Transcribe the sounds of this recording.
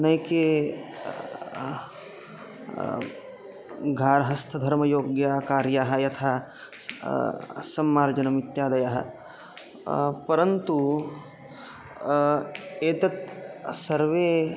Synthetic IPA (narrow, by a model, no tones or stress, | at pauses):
nɐjke | ɡʱaːɾɐɦɐst̪ʰɐd̪ʱɐɾmɐjoːɡjaːkaːɾjaːɦɐ̆jɐt̪ʰaː | sɐmːaːɾd͡ʒɐnɐmit̪jaːd̪ɐjaːɦɐ̰ | pɐɾɐnt̪u | eːt̪ɐt̪̚sɐɾʋeː